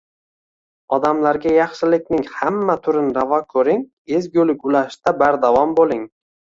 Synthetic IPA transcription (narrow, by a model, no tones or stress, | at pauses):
ɒd̪amlaɾɡʲajɑχʃɪlɪkʲnɪŋhamːat̪ʰʊɾɪnɾavɒkʰɵɾɪŋ | ezɡʲɵlɪkʲʊlaʃt̪abaɾd̪avɒmbolˠɪŋ